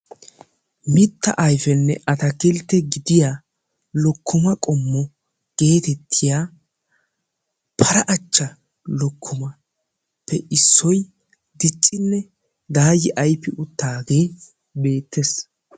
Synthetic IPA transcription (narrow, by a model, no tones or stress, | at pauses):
mɪt̪ːɐ̰ʔɐjfɛnːɛʔɐt̪ɐkɪlt̪ːɛɡɪd̪ɪja | lɔkːʊmɐkʼɔmːɔ | ɡ̥e̞ːt̪ɛt̪ʰːɪjaː | pʰɐɾɐʔɐt͡ʃːɐ | lɔkʰːʊmɐ | pʰːɛʔɪsːɔj | d̪ɪt͡ʃʼːɪnːɛ | d̪aːjɪʔɐjpːɪʔʊt̪ːaːɡe̞ː | be̞ːt̪ʰːes